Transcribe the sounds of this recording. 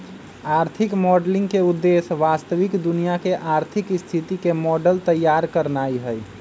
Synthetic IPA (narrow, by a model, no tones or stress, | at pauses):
aːɾt̪ʰɪkmɔɖlɪ̃ŋɡkeud̪ːesʋast̪əʋɪkd̪unijakeʔaɾt̪ʰikst̪ʰit̪ikemɔɖəlt̪əjːaɾkəɾnaiɦəj